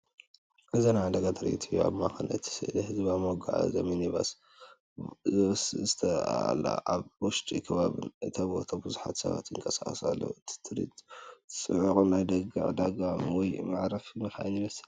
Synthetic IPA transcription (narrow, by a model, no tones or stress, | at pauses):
ʔɨzanaʕad̪ɐɡat̪ʰɨɾḭt̪ʰɨjua̰βmakɨnɐt̪ʰi̥sɨ̰lhɨzbamoɡaʕa̰zɐminiβas | zszɨt̪ʰɐ̰la̰aβwɔʃt̪ʼikʰɐβaβɨ̰nʔɨt̪ʰɐβo̰t̪ʰɐbɨzuħa̰t̪sɐ̰βa̰t̪jɨŋkʼɐsaχʼsalːo̰ɨt̪ʰi̥t̪ʰɨɾḭt̪sʼɨʕukʼunajd̪ɐɡa̰ʕd̪aɡamiwɔjmaʕɾafmɨxa̰ʔnjimɐsɨ̥l